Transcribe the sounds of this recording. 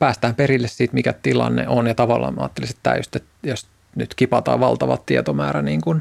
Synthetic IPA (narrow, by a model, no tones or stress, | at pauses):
pæːst̪æːmperilːessiːt̪mikæt̪ilɑ̰nːḛʔonjɑt̪ɑʋɑlːɑ̰ːmɑ̰ːt̪ːelise̥t̪t̪ːæ̰ːjo̰st̪et̪jos | nyt̪kipɑt̪ɑ̰ːʋʋɑlt̪ɑʋɑ̰t̪t̪iet̪omæːɾæniːŋkun